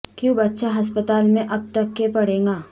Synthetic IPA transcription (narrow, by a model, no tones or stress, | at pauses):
kjũbɐtːʃaɦɐs̬pət̪aːlmẽʔɐb̚t̪ɐkːepɐɽẽːŋɡaː